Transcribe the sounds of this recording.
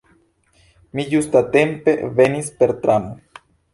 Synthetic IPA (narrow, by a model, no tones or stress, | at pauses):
mijust̪at̪e̞mpe̞ve̞nispe̞ɾt̪ɾano